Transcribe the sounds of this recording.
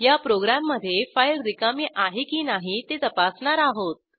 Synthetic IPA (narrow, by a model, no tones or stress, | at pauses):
japɾoɡɾamːəd̪ʱːjefailɾikamiːʔaɦikiːnaɦit̪et̪əpasɳaɾaɦot̪̚